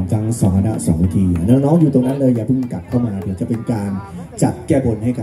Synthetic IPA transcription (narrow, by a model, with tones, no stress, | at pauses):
mt̪ʰa˦˥ŋsaː˨˦kʰa˧na̰˦˥sɔː˩˦ŋwa˧t̪ʰiː˧˨˩nɔː˧ŋnɔː˦˥ŋjuː˨˩t̪o˧ŋna˦˥nlɤː˧jːaː˨˩pʰɯ˥˩m˧ka˨˩p̚kʰa˥˩wmaː˧t̪ʰɯ˩˦t͡ɕa˨˩pe˧nkaː˧n | t͡ɕa˨˩t̪̚kɛː˥˩bo˧nha˥˩jka˨